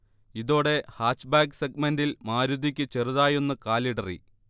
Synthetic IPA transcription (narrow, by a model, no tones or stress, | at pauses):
iðo̞ːɽe̞haːʂbaːɡseɡ̚mendilmaːɾud̪ikʲːɨt͡ɕeruðaːjenːɨkaːliɽɐrḭ